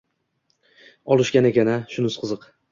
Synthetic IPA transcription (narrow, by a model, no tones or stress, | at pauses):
ɒlˠɪʃkʲanekʲanaʃʊnʊsqʰɨzɨq